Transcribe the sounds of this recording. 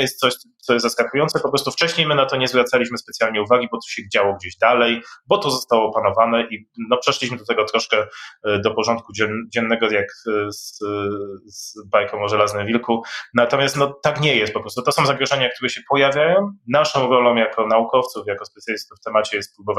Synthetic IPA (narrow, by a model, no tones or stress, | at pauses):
jɛst̪̚sɔɕt̪sɔjɛst̪zaskakujɔnt̪sɛpɔpɾɔst̪uft͡ʂɛɕɲejmɘnat̪ɔɲɛzvɾat̪salʲiɕmɘspɛt̪sʲjalɲɛuvaɡʲibɔt̪ɔ̥ɕɛɡd͡ʑawɔɡd͡ʑeʑd̪alɛjbɔt̪ɔzɔst̪awɔpanɔvanɛʔinɔpʂɛʂlʲiɕmɘd̪ɔt̪ɛɡɔt̪ɾɔʂkɛd̪ɔpɔʐɔ̃nt̪̚kud͡ʑɛd͡ʑɛnːɛɡɔjakz | zbajkɔ̃w̃ɔʐɛlaznɨmvʲilkunat̪ɔmʲjast̪nɔt̪akɲɛjɛst̪̚pɔpɾɔst̪ut̪ɔsɔ̃w̃zaɡɾɔʐɛɲakt̪uɾɛɕɛpɔjavʲjajɔ̃w̃naʂɔ̃w̃ɾɔlɔ̃w̃jakʰɔnaukɔft̪sufjakɔspɛt̪sʲjalʲist̪ufːt̪ɛmat͡ɕɛjɛst̪̚pɾubɔva